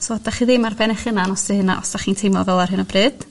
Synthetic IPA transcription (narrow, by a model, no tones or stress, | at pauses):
soːd̥aχiːðemarvɛnɛχənanɔsdɨhɨna̰ʔɔ̰sd̥aχiːntʰejmvɔvɛlˠarhɨnɔbrɨːd̥